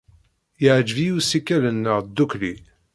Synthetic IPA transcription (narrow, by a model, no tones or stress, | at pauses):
jəʕd͡ʒvijusikːælənːəʁd̪ːukli